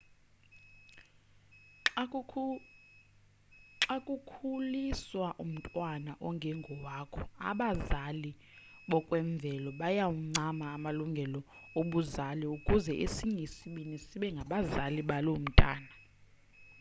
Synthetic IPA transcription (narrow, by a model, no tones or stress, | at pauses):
ǁakʼukʰuliswaʔum̩tʼwanaʔɔŋɡʱɛŋɡʱɔwaːkʰɔa̰ɓazali | ɓɔkʼwɛɱb̪vʱɛlɔɓajawuŋ͡ǀamaːmaluŋɡʱɛlɔoɓuzaliukʼuzɛʔesiŋʱesiɓinisiɓɛŋɡʱaɓazaliɓalom̩tʼa̰ːna